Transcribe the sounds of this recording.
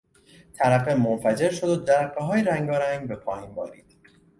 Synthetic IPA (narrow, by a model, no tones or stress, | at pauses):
t̪ʰæɾæfemonfæd͡ʒe̞ɾʃo̞d̪od̪æɾæqːeɦɒːjeɾæŋɡɒːɾæŋɡbe̞pʰɒːjiːnbɒ̰ːɾiːd̪̥